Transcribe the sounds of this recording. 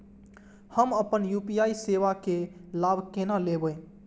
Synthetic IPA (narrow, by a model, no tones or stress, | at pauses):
həməpənjupijaiseʋakelabʱkenalebəj